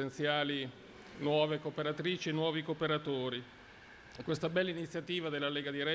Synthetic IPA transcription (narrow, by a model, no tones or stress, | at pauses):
ent̪sjaːli | nwɔːvekoːpeɾat̪ɾiːt͡ʃienwɔːvikoːpeɾat̪oːɾi | kwest̪abɛlːainit̪sːjat̪iːvad̪elːaleːɡad̪iɾɛ